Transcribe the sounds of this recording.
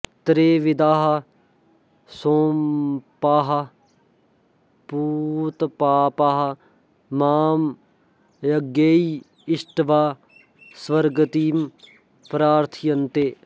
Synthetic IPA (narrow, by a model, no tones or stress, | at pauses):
t̪ɾeːʋɪd̪aːɦɐ | soːmpaːɦɐ | puːt̪paːpaɦɐ | maːm | jɐɡeːi | ɪʃʈʋaː | sʋɐɾɡət̪iːm | pɾaːɾt̪ʰijɐnt̪eː